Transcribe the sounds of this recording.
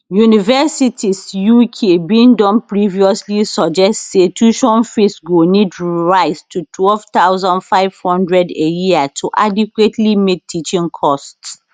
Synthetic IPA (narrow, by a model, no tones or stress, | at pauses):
junivɛsitʰisjukʰebĩndɔ̃npɹiviɔslisɔd͡ʒɛstsetuʃɔ̃nfesɡonidɹaɪstʰutʰwɛlvt̪aʊzɔ̃ndfaɪv̥hɔ̃ndɹɛdejiatʰuʔadikwetlimek̚tːit͡ʃĩŋkʰɔst